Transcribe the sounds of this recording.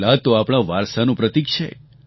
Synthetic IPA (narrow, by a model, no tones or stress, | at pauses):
lat̪oapɽ̃aʋaɾsanũpɾət̪ikʃə̰j